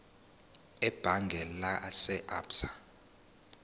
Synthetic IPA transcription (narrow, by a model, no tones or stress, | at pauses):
ɛb̥ʱaŋɡʱɛlasɛʔa̰ːpsḁ